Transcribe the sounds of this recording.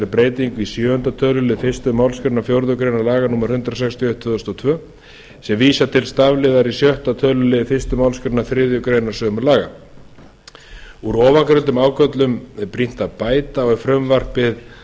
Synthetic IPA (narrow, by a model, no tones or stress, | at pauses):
ɾɪpɾeːjt̪iŋkvisjœːœnt̪at̪ʰœːlʏlɪðfɪ̥st̪ʏmawlskɪɾt̪nafjowɾðʏkɾejnaɾlaːɣanuːmaɾ̥hʏnt̪ɾas̬ɛkst̪ʰjœht̪ʰvʏːðʏst̪ɔt̪ʰvœː | sɛmviːsat̪ʰɪlst̪avlɪðaɾisjœht̪at̪ʰœːlʏlɪfɪ̥st̪ʏmawlskɾɪnaθɾɪːðjʏkɾeːjnaɾ̥sœːmʏɾlaːɣa̰ | uɾɔːvaŋkɾʏnt̪ʏmaːwkœt̪lʏmɛɾpɾin̥t̪aðpaːjt̪aɔɣfɾœmvar̥pɪð